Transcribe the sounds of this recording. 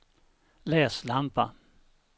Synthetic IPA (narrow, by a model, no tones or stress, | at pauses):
lɛːslampa̰